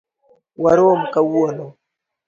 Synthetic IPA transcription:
waɾomkawuono

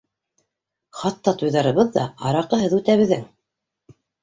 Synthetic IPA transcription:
χɑt̪ːɑt̪ujðɑɾɤ̆βɤðːɑ̰ɑɾɑqɤ̆ɦɤðʉt̪æβɘ̆ðːɘŋ

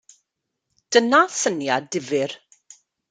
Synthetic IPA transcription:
d̥ənaθənjadɪvɪr

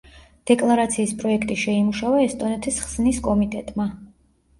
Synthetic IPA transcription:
d̪̥ɛkʼlˠaɾat̪sʰiːspʼɾɔɛkʰt̪ʼiʃɛimuʃavaɛst̪ʼɔnɛt̪ʰisχsniskʼɔmit̪ʼɛt̪ʼma

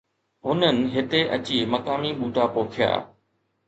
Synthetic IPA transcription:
ɦʊnənɪ̆ɦɪt̪eʔɐ̰t͡ɕiːmɐkaːmiɓuːʈapoːkʰɪja̰ː

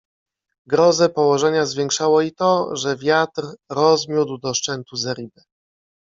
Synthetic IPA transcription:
ɡɾɔzɛpɔwɔʐɛɲazvʲjɛŋkʂawɔit̪ɔʐɛvʲjat̪ɾɾɔzmʲjud̪wd̪ɔʂt͡ʂɛnt̪uzaɾʲibɛ

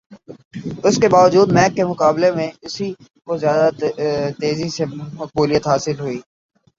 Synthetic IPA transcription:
ʊskebaːʋəd͡ʒuːd̪mɛːkːemʊkaːblemẽʊsi | kozjaːd̪at̪eːzisemɐk̚buːlijət̪ɦaːsɪlɦʊiː

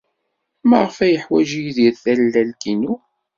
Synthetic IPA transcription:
mæʁəfæjəħwæʒijðiɾθælːælkinu

